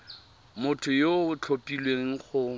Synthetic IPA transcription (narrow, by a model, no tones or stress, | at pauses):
mʊtʰʊjot͡ɬʰopʼilweŋ̩χʊ